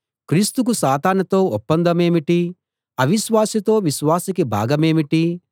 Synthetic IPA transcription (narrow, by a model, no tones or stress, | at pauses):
kɾiːst̪uk̬usaːt̪aːnut̪o̞ːɔpːɐnd̪ɐme̞ːmiʈi | ɐʋiʃʋaːsit̪o̞ːʋiʃʋaːsikibʱa̰ːɡɐme̞ːmiʈi